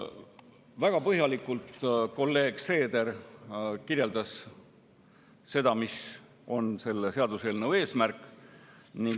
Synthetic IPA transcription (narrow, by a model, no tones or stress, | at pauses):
væɡ̥ɑpɤɦjɑlikːˑult̪ko̞lːe̞ːɡ̥se̞ːd̪̥e̞r | kirje̞ld̪ɑs | se̞d̪̥ɑmis | o̞nse̞lːeseɑd̪̥use̞ːlnəwe̞ːsmærkˑ | niŋ